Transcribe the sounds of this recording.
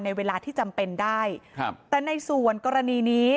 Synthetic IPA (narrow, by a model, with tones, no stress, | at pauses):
nːa˧jweː˧laː˧t̪ʰiː˥˩t͡ɕa˧mpe˧ndaː˥˩jt̪ɛː˨˩na˧jsu˨˩ənkɔː˧ɾa˧niː˧niː˦˥